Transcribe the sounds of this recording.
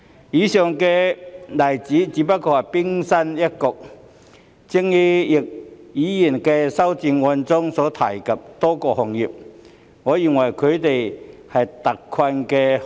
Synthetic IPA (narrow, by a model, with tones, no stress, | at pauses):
jiː˨˧sœː˨ŋkɛː˧lɐ˨˩jt͡siː˨˥t͡siː˨˥pɐ˥t̚kɔː˧hɐ˨pɪ˥ŋsɐ˥njɐ˥t̚kʊ˨k̚ | t͡sɪ˥ŋji˥jɪ˨k̚jiː˨˥ji˨˩nkɛː˧sɐ˥wt͡siː˧nŋɔː˧nt͡sʊ˥ŋsɔː˨˥t̪ʰa̰ː˨˩jkɐ˨p̚t̪ɔː˥kɔː˧hɔ˨ŋjiː˨p̚ | ŋɔː˨˧ji˨˩ŋwɐ˨˩jkʰɵ˨˧ɥt̪e˨jhɐ˨jt̪ɐ˨kʰwɐ˧nkɛː˧